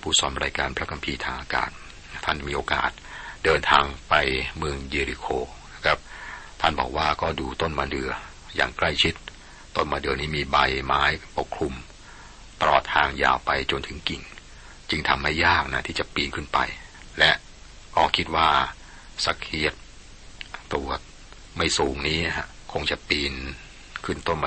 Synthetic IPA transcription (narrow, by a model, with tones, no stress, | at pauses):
pʰuː˥˩sɔ˧mɾaː˧jkaː˧npʰɾa˦˥kʰa˧mpʰiː˧t̪ʰaː˧ŋʔaː˧ka̰ː˨˩t̪̚ʰː | a˥˩nmiː˧ʔoː˧ka̰ː˨˩t̪̚dɤː˧nt̪ʰaː˧ŋpa˧jmɯ˧əŋjiː˧ɾi˧kʰoː˧na˦˥kʰɾa˦˥p̚t̪ʰa˥˩nbɔ̰ː˨˩k̚waː˥˩kɔː˥˩duː˧t̪o˥˩nmaː˧dɯ˧ə | ja̰ː˨˩ŋkla˥˩jt͡ɕʰi˦˥t̪̚ | t̪ːo˥˩nmaː˧ndɯ˧əniː˦˥miː˧ba˧jmaː˦˥jpo˨˩kʰɾu˧m | t̪ɾɔ̰ː˨˩t̪̚hʰaː˧ŋja̰ː˨˩wpa˧jt͡ɕo˧nt̪ʰɯ˩˦ŋki˨˩ŋ | t͡ɕɯ˧ŋt̪ʰa˧mːa˥˩jːaː˥˩k̚na˦˥t̪ʰiː˥˩t͡ɕa˨˩piː˧nkʰɯ˥˩npa̰˧j | lɛ˦˥ʔ | kʰɔː˧˩kʰi˦˥t̪̚waː˥˩ | sa˧˥k̚ʰhi˦˥ət̪̚ː | u˨˩ə | ma˥˩jsuː˩˦ŋniː˦˥ɦa˦˥ | kʰo˧ŋt͡ɕa˨˩ʔpiː˧n | kʰɯ˥˩nt̪o˥˩nma˧